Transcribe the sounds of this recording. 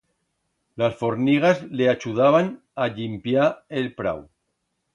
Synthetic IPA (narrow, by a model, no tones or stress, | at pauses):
lasfoɾniɣ̞azleat͡ʃuð̞aβ̞an | aʎimpjaelpɾa̰w